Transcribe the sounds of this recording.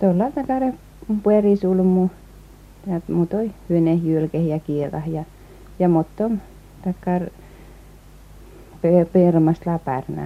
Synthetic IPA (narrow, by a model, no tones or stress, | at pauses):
t̪olːɑˑlt̪ɑkɑˑre | pueriˑsulmu | jɑmuːt̪oihyønehjyølkehjɑkieʋɑ̰hjɑ | jɑmot̪ːom | t̪ɑkːɑr | pepirmɑst̪lɑpæ̰rnɑ̰